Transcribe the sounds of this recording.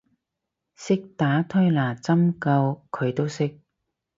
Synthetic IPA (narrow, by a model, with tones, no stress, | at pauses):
sɪ˥k̚t̪aː˨˥t̪ʰɵ˥laː˨˩t͡sɐ˥mkɐ˧wkʰɵ˨˧ɥt̪o˥wsɪ˥k̚